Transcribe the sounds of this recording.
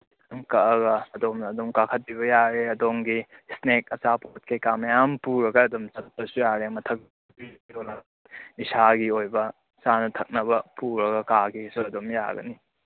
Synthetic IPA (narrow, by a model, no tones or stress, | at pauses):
ŋkɐʔɐɡɐɐdomnɐːdomkakʰɐt̚biβɐjaɾeɐdoŋɡisnekɐsapot̚kʰekamɐjampuɾɐɡɐːdumsɐt̚pɐsujaɾemɐtʰɐk̚ | piɡonɐ | isʰaɡiojbɐ | t͡ʃanɐtʰɐk̚nɐβɐpuɾɐɡɐkaɡisuɐdomja̰ɡɐ̰ni